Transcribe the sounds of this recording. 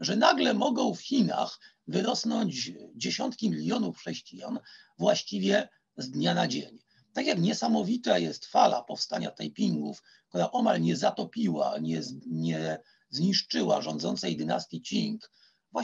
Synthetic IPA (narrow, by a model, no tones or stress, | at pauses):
ʐɛnaɡlɛmɔɡɔ̃w̃fxʲina̰x | vɘɾɔsnɔɲd͡ʑd͡ʑeɕɔnt̪kʲimʲilʲjɔnufxʂɛɕt͡ɕija̰nvwaɕt͡ɕivʲjɛ | zd̪ɲanad͡ʑeɲ | t̪akʲjakɲɛsamɔvʲit̪ajɛst̪fala̰pɔfst̪aɲa̰t̪ajpʲiŋɡuf | kt̪uɾaʔɔmalɲɛzat̪ɔpʲiwa̰ɲɛɲɛ | zɲiʂt͡ʂɘwa̰ʐɔnd̪zɔnt̪sɛjd̪ɘna̰st̪ʲjʲit͡ɕiŋk | vwa